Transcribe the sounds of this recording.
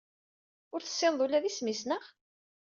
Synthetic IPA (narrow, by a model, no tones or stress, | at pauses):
ʊɾθə̥sˤːɪnðˤulæðismisnəʁ